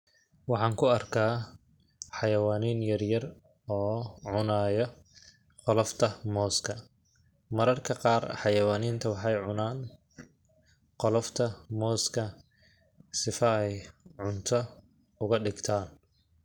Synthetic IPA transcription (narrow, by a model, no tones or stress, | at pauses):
wɑħɑːŋkʰʊɐrkʰaː | ħɑjɐwaːniːnjɐrjɐr | ɔːʕʊnaːjɔ | qɔlɔft̪ʰɐmɔːskʰɐ | mɐɾɐrkʰɐqɑːrħɑjɐwaːniːnt̪ʰɐwɑħɑjʕʊnaːn | qɔlɔft̪ʰɐmɔːskʰɐ | sɪfɐɛjʕʊnt̪ʰɔ | ʊɣɐɖɪɡt̪ʰaːn